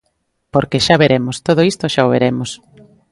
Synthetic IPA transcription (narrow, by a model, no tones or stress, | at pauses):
poɾkeʃaβeɾemost̪oð̞oist̪oʃaoβḛɾemos